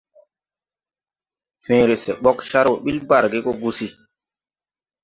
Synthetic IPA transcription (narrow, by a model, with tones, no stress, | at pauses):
fẽ˨˦ɾe˨sɛ˨ɓɔ˦kʃa˦ɾwo˨ɓi˦lba˦˨ɾɡe˦ko˦ɡu˦si˦